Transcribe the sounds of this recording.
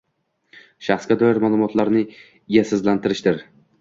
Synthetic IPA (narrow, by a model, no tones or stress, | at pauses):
ʃaχsɡʲad̪ɒjɪɾmalˠʊmɒt̪ʰlaɾnɪ | ɪjasɪzlant̪ʰɪɾɪʃd̪ɪɾ